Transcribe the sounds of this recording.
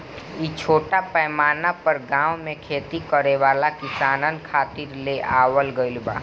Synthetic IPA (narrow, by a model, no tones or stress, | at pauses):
it͡ʃʰoːʈapɛːmaːnapəɾɡãːwmẽkʰeːt̪ikəɾeʋaːlakɪsaːnənkʰaːt̪iɾleʔaːwəlɡəilba̰ː